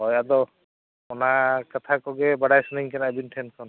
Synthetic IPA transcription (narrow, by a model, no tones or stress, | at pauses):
ɦɔjad̪ɔ | ɔnakat̪ʰakɔɡɛbaɽajsuniŋkɛnabinʈʰɛnkʰɔn